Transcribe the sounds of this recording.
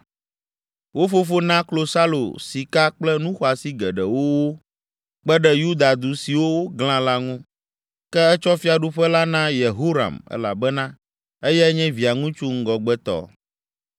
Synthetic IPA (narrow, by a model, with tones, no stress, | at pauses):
wo˦fo˦fo˦nã˦klo˨sa˦lo̰˨si˨ka˦k͡plɛ˦nũ˦xɔ˦a˨si˦ɡɛ˨ɖɛ˨wo˦wo˦ | k͡pɛ˦ɖɛ˦ju˦d̪a˨d̪u˨si˨wo˦wo˦ɡlã˦la˦ŋũ˦ | kɛ˦ɛ˦t͡ʃɔ˦fi˦a˨ɖu˦ɸɛ˦la˦nã˦je˨ɦo˦ɾa̰˨mɛ̰˦la̰˨bɛ˦nã˦ | ɛ˦jɛ˦ɲɛ̃˦vi˨a˨ŋũ˦t͡ʃu˦ŋ̩˦ɡɔ˨ɡ͡bɛ˦t̪ɔ̰˨